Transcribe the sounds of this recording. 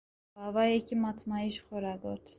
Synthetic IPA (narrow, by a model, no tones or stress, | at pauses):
b̥ɑvɑjɛkʰimɑt̪ʰmɑiʃχɔɾɑɡɔt̪ʰ